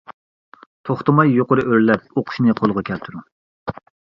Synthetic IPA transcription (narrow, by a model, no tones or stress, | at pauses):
t̪ʰoχt̪ɨmɑjːoqʊɾɨʔøɾlɛp̚oqʰʊ̥ʃnɨqʰolˠʁɑkʲʰɛlt̪ʰuɾu